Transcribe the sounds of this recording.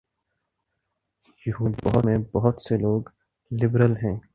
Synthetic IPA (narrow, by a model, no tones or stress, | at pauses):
jʊɦubɐɦʊmẽbɐɦʊt̪seloːɡ | lɪbɾəlɦɛ̃ː